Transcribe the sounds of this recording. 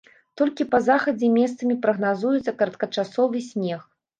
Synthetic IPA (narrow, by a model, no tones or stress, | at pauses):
t̪ɔlʲkʲipɐzaxɐd͡zʲɛmʲɛst̪sɐmʲipɾɐɣnazujut̪sɐkɐɾɐt̪̚kɐt͡ʂasɔvɨsʲnʲɛx